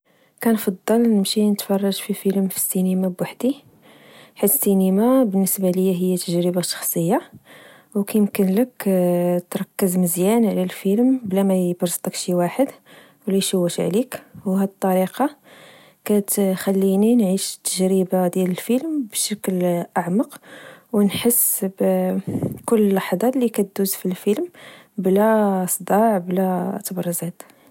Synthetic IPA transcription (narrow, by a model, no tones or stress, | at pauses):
kænfɑd̪ˤːɑlnəmʃinət̪fɑrˤːɑʒfifilmfi̥sːinimabwaħd̪i | ħad̪sinimabənːəsbaləjːæɦəjːæt̪əʒɾəbaʃɑ̥xsˤəjːa | wkæjəmkənləkt̪ɾˤɑkːəzməzjænʕlælfilmblæmæjbɾst̪ˤəkʃiwaħəd̪ | wlijʃuwːəʃʕlikwɦæd̪t̪ˤːɑɾiqɑ | kæt̪xælːininʕiʃt̪ːəʒɾibad̪jæləlfilmbʃəklʔaʕmɑqwnħəsːb | kʊlːlɑħd̪ˤɑlːikæt̪̚d̪uzfilfilm | blæsˤd̪ɑʕblæt̪brˤːzæd̪